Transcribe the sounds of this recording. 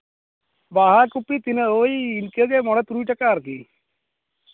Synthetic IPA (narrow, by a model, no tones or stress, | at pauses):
baːɦakupːit̪inəoːiːnkeɡemɔɽɐt̪ɾuːʈɐkaːɾki